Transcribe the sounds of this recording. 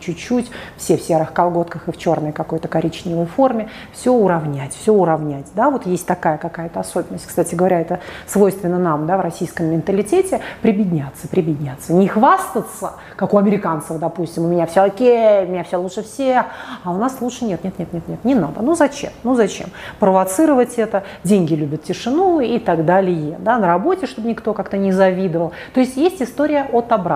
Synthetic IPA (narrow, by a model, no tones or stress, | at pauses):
t͡ɕʉt͡ɕːutʲfsʲefsʲe̞ɾɨxkɐlˠɡo̞t̪kəxɨft͡ɕo̞rnəjkɐko̞jt̪əkɐɾʲit͡ɕnʲɪvəjfo̞rmʲɪ | fsʲɵʊɾɐvnʲætʲfsʲoʊɾɐvnʲætʲd̪avo̞t̪jesʲtʲt̪ɐkajəkɐkajət̪əɐso̞bʲɪnːəsʲtʲkst̪atʲɪɡəvɐɾʲaɛt̪əsvo̞jst̪vʲɪnːənamd̪avrɐsʲijskəmːʲɪnt̪əlʲɪtʲetʲɪpɾʲɪbʲɪdʲnʲat̪səpɾʲɪbʲɪdʲnʲat̪sːənʲɪxvast̪ət̪sə | kakʊɐmʲɪɾʲɪkant̪səvəd̪ɐpusʲtʲɪmʊmʲɪnʲafsʲoɐkʲejʊmɪnʲafsʲolˠutʂəfsʲexaʊnaslˠutʂɨnʲet̪nʲet̪nʲet̪ʲet̪nʲet̪nʲɪnad̪ənuzɐt͡ɕḛmnuzɐt͡ɕḛmpɾəvɐt̪sɨɾəvətʲɛt̪ədʲenʲɡʲɪlʲubʲət̪tʲɪʂɨnuit̪aɡd̪alʲɪjəd̪anəɾɐbo̞tʲɪʂt̪o̞bənʲɪkt̪o̞kakt̪ənʲɪzɐvʲid̪əvəlˠt̪o̞ɪsʲtʲjesʲtʲɪst̪o̞ɾʲɪjəʔot̪ɐbɾa